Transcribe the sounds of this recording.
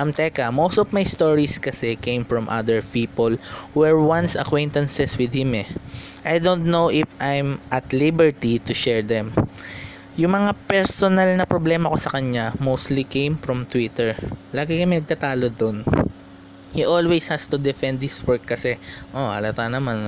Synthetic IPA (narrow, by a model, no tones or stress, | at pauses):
ʔɐmt̪ɛkɐmowst̪ɔvmajst̪oɹiskɐsɛkẽj̃mfɹɔmʔad̪ɛɹpiːpolwɛɹwãnsɐ̰kwɛ̃jnt̪ɐnsɛswɪd̪̚hɪmɛʔajd̪ont̪nowʔɪfʔajmʔɐt̪libɛɹt̪it̪ʊʃɛɹd̪ɛ̃m | jʊŋmɐŋapɛɹsonɐlnɐpɹoblɛːmɐko̞sɐkɐɲamowst̪likẽjmfɹɔmt̪wit̪ɛɹlaːɡɪkɐmɪnɐɡ̚t̪at̪aːlod̪on | hiʔolwejshast̪ʊd̪ɛfɛnd̪̚hɪswɛɹkːɐsɛʔoʔɐ̰lɐt̪anɐman